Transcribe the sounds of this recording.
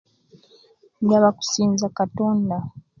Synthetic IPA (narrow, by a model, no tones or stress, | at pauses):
daβaku̥siːnzakatoːnda